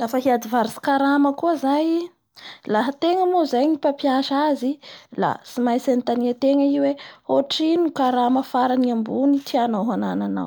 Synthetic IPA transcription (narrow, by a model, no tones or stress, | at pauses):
lafəɦiad̪ivaɾisi̥kaɾaməkuəzaj | laɦət̪eŋəmozajnipapjaʃazila̰simajsanit̪aniət̪eŋəiweoʈ͡ʂinukaɾaməfaɾaniambunitʰianawɦananana̰w